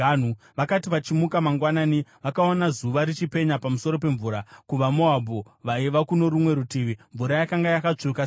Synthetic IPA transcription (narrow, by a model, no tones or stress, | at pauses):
anu | ʋakatiʋat͡ʃimukamaŋɡwanaːniʋakaonazuʋaɾit͡ʃipe̞ɲapamuso̞ɾo̞p̬e̞ɱvuːɾakuʋamoabʱo | ʋaiʋakuno̞ɾumwe̞ɾutiːʋiɱvuɾajakaŋɡajakat͡ʂuka